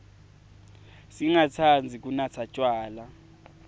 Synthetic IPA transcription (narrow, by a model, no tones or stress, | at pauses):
siŋat͡sʰand͡zʱik̬ʼunat͡sʰat͡ʃʼwaːla